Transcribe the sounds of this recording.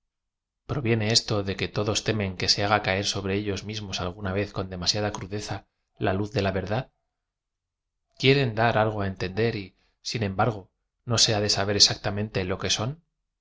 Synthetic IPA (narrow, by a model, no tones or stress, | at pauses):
pɾo̞βje̞ne̞e̞st̪o̞ðe̞ke̞t̪o̞ðo̞st̪e̞mẽ̞ŋke̞se̞aɣ̞akae̞ɾso̞β̞ɾe̞eʎo̞zmizmo̞salɣ̞unaβe̞θko̞nd̪e̞masjaðakɾuðe̞θa | laluθðe̞laβe̞ɾðað | kje̞ɾe̞nd̪aɾalɣ̞oae̞nt̪e̞nd̪e̞ɾi | sinẽ̞mbaɾɣ̞o̞ | no̞se̞aðe̞saβ̞e̞ɾe̞sak̚t̪amẽ̞nt̪e̞lo̞ke̞so̞n